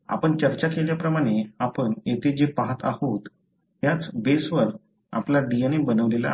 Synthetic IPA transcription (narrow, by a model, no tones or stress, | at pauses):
a̰pəɳt͡ɕəɾt͡ɕakeljapɾəmaɽ̃eapəɳjet̪ʰed͡ʑepaɦat̪a̰hot̪ | ɦjat͡sbesʋəɾ | a̰plaɖieñebənəʋlela̰